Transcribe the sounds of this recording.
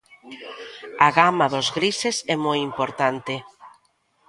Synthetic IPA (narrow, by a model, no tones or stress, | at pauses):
aɣamaðʊzɣɾisesɛmojimpoɾt̪ant̪ɪ